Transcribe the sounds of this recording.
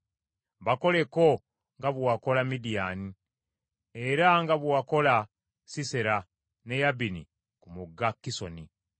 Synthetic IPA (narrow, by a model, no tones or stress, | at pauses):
βako̞le̞ko | ŋɡaβwako̞lamidijani | eɾaŋɡaβwako̞la | siseɾa | nejabinḭ | kumuɡːakːiso̞̰ni